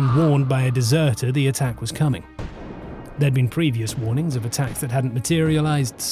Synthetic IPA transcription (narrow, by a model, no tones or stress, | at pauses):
ŋwɔɹnbaɪɨdɨzɜ˞ɾə˞ðiɨtʰækwʌz̥kʰʌmɪ̰̃ŋ | ðə˞ɨd̚bɨ̃npʰɹ̥iviɨswɔɹnɪ̃ŋzʌvɨtʰæksðɨt̚ɦædⁿn̩mɨtʰɪɹiɨlaɪzd̥s